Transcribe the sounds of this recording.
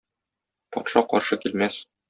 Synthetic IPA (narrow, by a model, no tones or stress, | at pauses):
pɒ̰t̪ʃɑqɒ̰ɾʃɤkilmæs